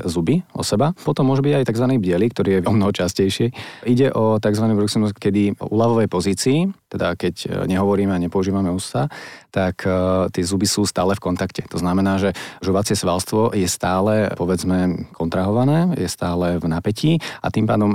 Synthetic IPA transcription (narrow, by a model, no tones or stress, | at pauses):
zubiɔ̰sɛbapɔt̪ɔmːʊɔʒubiɟajt̪aɡzʋaniːbɟɪɛliːkt̪ɔɾiːjɛɔmnɔɦɔt͡ʃascɛjʃɪɛʔiɟɛʔɔt̪aɡzʋanibɾuksimuskkɛd̪iṵlaʋɔʋɛjpɔziːt͡siːt̪ɛd̪akɛcɲɛɦɔʋɔɾiːmɛaɲɛpɔuʒiːʋamɛust̪at̪akʰt̪ɪɛzubisuːst̪aːlɛfkɔnt̪akcɛ̥t̪ɔznamɛnaːʒɛʒuʋat͡sɪɛsʋalst̪ʋɔjɛst̪aːlɛpɔʋɛd͡zmɛkʰɔnt̪ɾaɦɔʋanɛːjɛst̪aːlɛvnapɛciːa̰t̪impa̰ːd̪ɔm